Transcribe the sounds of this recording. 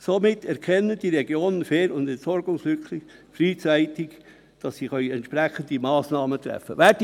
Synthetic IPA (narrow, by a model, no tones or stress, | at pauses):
somɪtʰːɛɾkʰɛnːəd̥iɾɛɡjoːnənfeːɾʊndɛntsɔɾɡʊŋslʏkʰlɪfɾiːt͡sæɪtɪk | d̥ɑsːiːχœʏɛntt͡ʃpɾɛχəndimɑːsnɑːmət̪ɾɛ̰fːə̰ʋɛːd